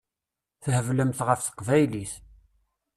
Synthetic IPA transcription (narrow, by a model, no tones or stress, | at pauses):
θhəvləmθʁəfθə̥qvæjliθ